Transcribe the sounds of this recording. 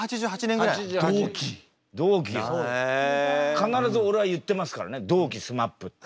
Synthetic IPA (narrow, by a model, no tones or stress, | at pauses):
at͡ɕid͡ʑhat͡ɕinẽaid͡ʑd̪oːkʲʰi | d̪oːk̬ʲies | kanaɾazɨo̞ɾe̞βajɯ̟t̪ːe̞masɨ̥kaɾa̰ne̞d̪oːkʲisɨmapːɯ̟t̪ː